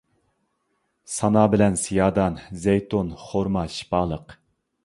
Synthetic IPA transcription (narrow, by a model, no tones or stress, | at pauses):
sɑnɑːbɪlɛnsijɑːd̪ɑnzɛjt̪onχoɾmɑʃi̥pɑːlˠəq